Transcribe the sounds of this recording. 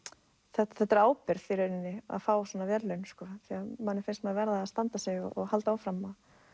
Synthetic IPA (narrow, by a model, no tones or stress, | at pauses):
θɛt̪θɛht̪ːaɾaːwpɪɾðfiɾenɪnːɪa̰ðfaːwsɔnavjɛɾlœɥnskɔθiamanːɪɾfɪnst̪mɛavɛɾðaːðst̪ant̪asɛɣɔɔɣhalt̪aaːwfɾamað